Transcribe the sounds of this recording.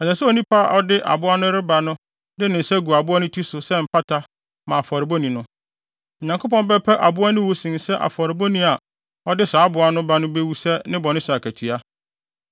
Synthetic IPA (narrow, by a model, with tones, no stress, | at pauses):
ɛ˨sɛ˨sɛ˦o˨nĩ˦pʰa˦ʔɔ˦dɪ˦ʔa̰˨bʊ˦a˦nʊ̃˦ɾɪ˦ba˨nʊ̃˦ | dɪ˦nɪ̃˨sɛ˦ɡu˨a˨bʊ˦a˦nʊ̃˦tʰi˦sʊ˨sɛ˦m̩˨pʰa˦tʰa˦ | mã˨fɔ˨ɾɪ˨bɔ˦nĩ˨nʊ̃˦ | ɔ˨ɲã˨ŋkʊ˦pʰɔ̃˦m˦bɛ˦pʰɛ˦ʔa˨bʊ˦a˦nʊ̃˦wu˦sĩ˨n˨sɛ˦ʔa̰˨fɔ˨ɾɪ˨bɔ˦nĩ˦a˨ | ɔ˦dɪ˦saː˨˦bʊ˨˦a˦nʊ̃˦ba˦nʊ̃˦be˦wu˦sɛ˦nɪ̃˦bɔ˨nɪ̃˦sʊ˨a˨kʰæ˨tʰɥa˦